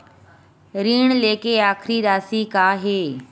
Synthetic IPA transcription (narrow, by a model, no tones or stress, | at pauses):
ɾiːɽ̃leːkeaːxʰɾiɾaːsikaːɦeː